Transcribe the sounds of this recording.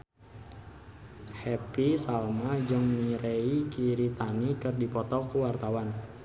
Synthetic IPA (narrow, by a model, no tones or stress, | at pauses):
hɛpisalmad͡ʒəŋmiɾeikiɾit̪anikɨrdipɔt̪ɔkuwart̪awan